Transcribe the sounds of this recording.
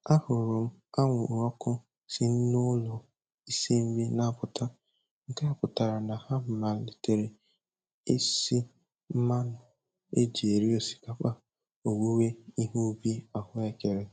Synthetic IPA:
a˦hʊ˨ɾʊ˨m̩˦a˦ŋʷʊ˨u˨ɾɔ˦kʊ˦ | sɪ˨n̩˦nʊ˦lʊ˨ | i˦si˦m̩˦bi˦na˦˨pʊ˨ta˦ | ŋ̩˦ka˦a˦pʊ˨ta˨ɾa˨na˨ha˦m̩˦ma˨˦li˨te˨ɾe˨ | e˦si˦ | m̩˦ma˦nʊ˨ | e˦d͡ʒi˨e˨ɾi˦o˨si̥˨ka˨k͡pa˦ | o˨wu˦we˦i˦ɦu˦bi˦a˨hʊ˦e˦ke˨ɾe˨

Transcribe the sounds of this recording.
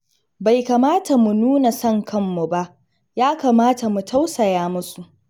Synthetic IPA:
ba˨jka˨maː˦tʰa˨mu˨nuː˦na˨sɐ˦ŋkʰɐ˦mːu˨ba˦ʔ | jaː˦kaː˨maː˦ta˨mu˨tʰa˦wsɐ˨jaː˦mʊ˦su˨ʔ

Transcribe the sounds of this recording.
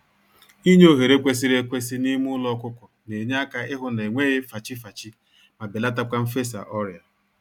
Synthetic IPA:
i˦ɲ˦o˦ɦe˨ɾe˦kʷe˦s̬i˦ɾe˦kʷe˦si˦ni˦mʊ˦lɔ˦kʷʊ˦kʊ˨ne˨ɲ˦a˦ka˦ɪ˦ɦʊ˦ne˨ŋʷe˦ɣɪ˦fa˨t͡ʃi˦fa˨t͡ʃi˦ | ma˨bɪ˨la˦ta˦kʷa˦m̩˦fe˦sa̰˨ʔɔ˦ɾja˨

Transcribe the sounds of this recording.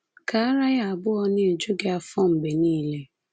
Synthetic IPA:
ka˨a˦ɾa˦ja˦a˨bʊ˦ɔ˦ne˦e˨d͡ʒu˦ɡe˦a˦fɔ˦m̩˨be˨niː˦le˦

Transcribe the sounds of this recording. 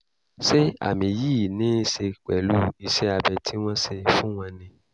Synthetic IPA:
ʃe˦a̰˨mĩ˨jiː˦˨nĩː˨˦ʃe˧k͡pɛ˨lu˦i˧ʃɛ˦a˧bɛ˧tʰi˦w̃ɔ̃˦ʃe˧fũ˦w̃ɔ̃˧nĩ˧

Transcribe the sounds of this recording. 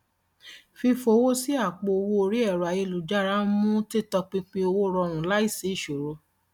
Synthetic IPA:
fi˧fo˧˦wo˦si˦a˦˨k͡po˧o˧wo˧o˧ɾi˦ɛ˦˨ɾa˨je˧lu˨d͡ʒa˦ɾa˦mũ˦ti˦tɔ˧k͡pi˦k͡pe˦o˧wo˦˧ɾɔ˧ɾ̃ũ˨la˦i˦˨se˨˦i˦˨ʃo˨ɾo˧˦

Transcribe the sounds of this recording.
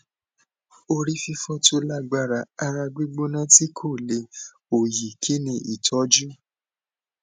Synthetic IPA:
o˧ɾi˦fi˧fɔ˧˦to˧˦la˦ɡ͡ba˧˨ɾa˨a˧ɾa˧ɡ͡be˦ɡ͡bo˦nã˦ti˦kʰo˦˨le˨˦ | o˨ji˨kʰi˨˦nĩ˧ʔi˨tʰɔ˨˦d͡ʒu˦

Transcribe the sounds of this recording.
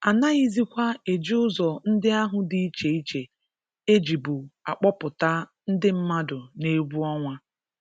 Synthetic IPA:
a˨na˦ɣi˦zi˦kʷa˦e˨d͡ʒi˦ʊ˦zɔ˨n̩˦dɪ˦a˦ɦʊ˨di˨i˦t͡ʃe˨i˦t͡ʃe˨ | e˦d͡ʒi˨bu˨a˨k͡pɔ˦pʊ˨ta˦n̩˦dɪ˦m̩˦ma˦dʊ˨ne˦ɡ͡bu˦ɔ˦ŋʷa˦

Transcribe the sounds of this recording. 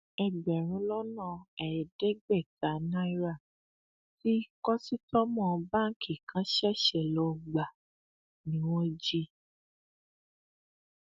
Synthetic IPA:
ɛ˧ɡ͡bɛ˨ɾ̃ũ˨˦lɔ˦nã˦˨ɛ˨ɾɛ˨de˦ɡ͡bɛ˦˨ta˨˦na˦i˦ɾa˦˨ | ti˦kɔ˦si˦tɔ˦mɔ̃˦˨˧bã˦˨ki˨kʰã˨˦ʃɛ˦˨ʃɛ˦˨lɔ˧ɡ͡ba˨ | nĩ˨˦w̃ɔ̃˦d͡ʒi˦

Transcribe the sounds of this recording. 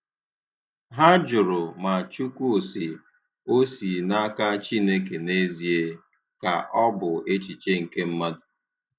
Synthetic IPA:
ɦa˦d͡ʒʊ˨ɾʊ˨ma˨a˨t͡ʃu˦kʷu˦o˨si˨ | o˦si˨na˦ka˦t͡ʃi˦ne˦k̬e˨ne˦zi˨e˦ | ka̰˨ʔɔ˦bʊ˨e˦t͡ʃi˨t͡ʃe˦ŋ̩˨ke˦m̩˦ma˦dʊ˨

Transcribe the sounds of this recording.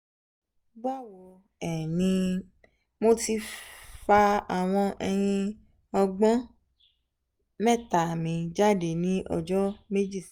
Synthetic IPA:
ba˦˨wɔ˧ | ɛ˨nĩ˧ | mo˦ti˧fa˧a˨w̃ɔ̃˧ʔɛ˧j̃ĩ˧ | ɔ˧ɡ͡bɔ̃˦ | mɛ˦˨ta˨mĩ˧d͡ʒa˦˨de˨nĩ˨˦ʔɔ̰˧d͡ʒɔ˦me˦d͡ʒi˦˨

